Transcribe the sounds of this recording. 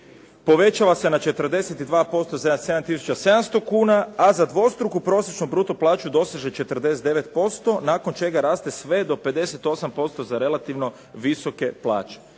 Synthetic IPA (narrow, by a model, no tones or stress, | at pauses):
po̞ʋe̞t͡ʃaʋase̞nat͡ʃe̞t̪ər̩d̪e̞set̪id̪ʋaːpo̞st̪osed̪se̞d̪amt̪isu̥t͡ʃase̞d̪amst̪o̞kuːnaazad̪ʋo̞st̪ɾukupɾo̞ːsjet͡ʃnubɾuːt̪oplˠaːt͡ʃud̪o̞saʒet͡ʃe̞t̪ər̩d̪e̞set̪d̪e̞ʋe̞t̪̚po̞st̪o̞naːko̞nt͡ʃe̞ɡaɾaːst̪e̞sʋe̞d̪o̞pe̞d̪e̞se̞t̪o̞sampo̞st̪o̞zaɾe̞lˠat̪iʋno̞ | ʋiso̞ke̞plˠa̰ːt͡ʃe̥